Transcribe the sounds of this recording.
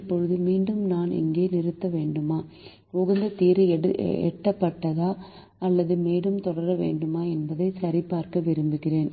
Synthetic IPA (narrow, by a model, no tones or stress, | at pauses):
pːɔɻɯðɯmiːɳɖɯmnaːnɪ̰ŋɡeːnɪɾɯt̪ːɐʋeːɳɖɯmaː | ɔɣɐnd̪ɐt̪iːɾɯɛ̰ʈːɐpːɐʈːɐðaː | ɐlːɐðɯmeːɽɯmt̪ɔɽɐɾɐʋḛːɳɖɯmaːɛnbɐðɐɪsɐɾɪpːaːɾkɐʋɪɾɯmbɯɣɪreːn